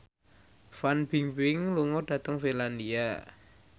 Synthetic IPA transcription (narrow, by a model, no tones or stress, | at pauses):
fanb̥i̤ŋbɪŋluŋɔɖ̥ä̤t̪əŋfinland̪ia